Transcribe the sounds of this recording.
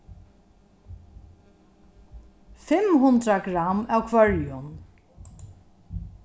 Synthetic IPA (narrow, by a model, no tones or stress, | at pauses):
fɪmhʊnd̪ɾakɾamawkʰvœɹjʊn